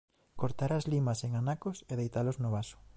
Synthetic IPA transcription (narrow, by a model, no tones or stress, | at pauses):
koɾt̪aɾazlimɐseŋanakoseð̞ejt̪aloznoβ̞aso̥